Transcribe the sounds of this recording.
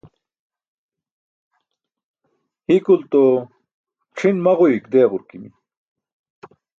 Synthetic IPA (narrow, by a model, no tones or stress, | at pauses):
hikult̪o | qʰinmɐʁuikd̪eːʁuɾkimi